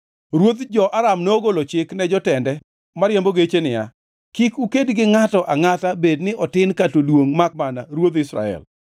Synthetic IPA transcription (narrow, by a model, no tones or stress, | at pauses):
ɾwot̪d͡ʒɔʔaɾamnooɡolot͡ʃɪknɛd͡ʒɔtɛndɛ | maɾjamboɡet͡ʃenɪja̰ | kikukedɡɪŋatɔʔaŋatabednɪʔɔtɪnkatolwoŋmak̚manaɾwot̪ɪsɾa̰ɛ̰l